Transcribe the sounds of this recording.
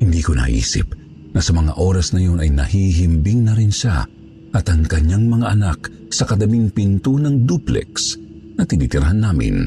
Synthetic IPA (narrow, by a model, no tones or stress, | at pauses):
hɪnd̪ikonɐ̰ʔḭːsɪ̰p̚ | nɐsɐmɐŋa̰ʔo̞ːɾɐsnɐjo̞nɐjnɐhiɦimbɪŋnɐɾɪnʃa̰ | ʔɐt̪ɐŋkɐɲːaŋmɐŋaʔɐnak̚ | sɐkɐd̪ɐmiŋpɪnt̪onɐŋd̪uplɛ̰ks | nɐt̪ɪniːt̪ɪɾɐhanːaːmɪ̰n